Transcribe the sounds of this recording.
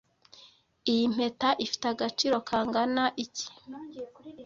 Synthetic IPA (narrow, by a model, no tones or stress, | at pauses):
ijim̥e̞taʔifi̥taɡat͡ʃiɾo̞kʰaːŋɡanaʔici̥